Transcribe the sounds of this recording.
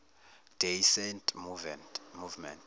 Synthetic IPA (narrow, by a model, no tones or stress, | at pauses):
d̥ʱejsɛntʰʼmuvɛnmuvmɛnt